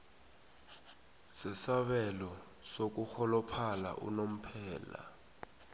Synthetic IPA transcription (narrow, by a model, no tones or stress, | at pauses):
sɛsaɓɛlɔ | sok̬uxɔlɔpʰala̰ʔṵnom̩pʰɛːla̰